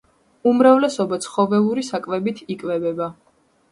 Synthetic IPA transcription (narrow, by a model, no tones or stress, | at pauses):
umɾavlɛsɔbat̪sʰχɔvɛlˠuɾisakʼvɛbit̪ʰikʼvɛbɛba